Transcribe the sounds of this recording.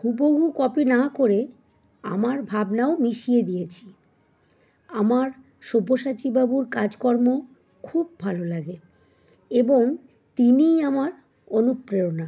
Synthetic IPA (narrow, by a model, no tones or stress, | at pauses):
ɦuboɦukɔpinakoɾe | amaɾbʱabnaomiʃied̪ijet͡ɕʰi̥ | amaɾ | ʃoboʃat͡ɕibabuɾkad͡ʑkɔɾmo | kʰubːʱalolaɡe | eboŋ | t̪iniamaɾ | onupːɾeona